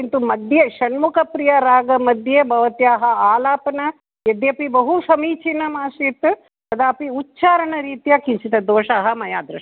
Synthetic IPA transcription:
int̪umɐd̪ʱjeʃɐnmukʰɐpɾijɐɾaːɡɐmɐd̪ʱjebʱɐʋɐt̪jaːɦɐaːlaːpɐnɐ | jed̪jɐpibɐɦuʃɐmiːt͡ʃinɐmaːsit̪ | t̪ɐd̪aːpiutːt͡ʃʃaːɾɐɳɐɾiːt̪ijaːkinsit̪ɐd̪oːʃaːɦɐmɐjaːd̪ɾɐʂɐ

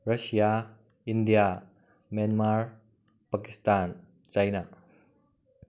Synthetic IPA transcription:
rɐsia | ʔindia | mjanmaɹ | pakist̪an | t͡ʃɐjna

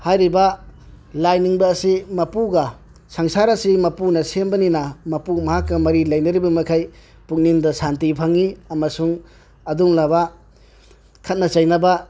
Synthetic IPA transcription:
hajɾibɐ | lajniŋbɐːsimɐpuɡɐ | saŋsaɾɐsimɐpunɐsenbɐninɐmɐpumɐɦakːɐmɐɾilɐjnɐɾibɐmɐkʰaj | puk̚nindɐsantipʰɐŋiɐmɐsuŋ | ɐduŋlaba | kʰɐt̚nɐt͡ʃɐjnɐba

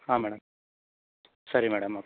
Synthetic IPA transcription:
aːmɛːɽɐm | sɐɾimɛːɽɐmɐpː

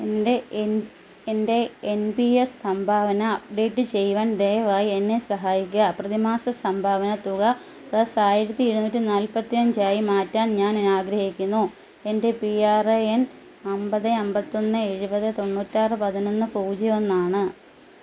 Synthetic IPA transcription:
ende | ende̞ːnbiessɐmbʱaːʋɐnɐːp̚ɖe̞ːʈːɨt͡ɕe̞jʋaːnd̪ejɐʋaːjienːe̞sɐɦaːjikʲːuɐprɐðimaːsɐsɐmbʱaːʋɐnɐt̪uɣɐ | prɐsaːjiɾɐt̪ːiiɻunuːtːinaːlpɐt̪ːijɐnd͡ʑaːjimaːtːaːnɲaːnenaːɡɾɐhikʲːunːu | e̞nde̞piaːreen | ɐmbɐðɨɐmbɐt̪ːo̞nːɨeɻubɐðɨt̪o̞ɳːuːtːaːrɨpɐðino̞nːɨpuːd͡ʑɐjonːaːɳɨ

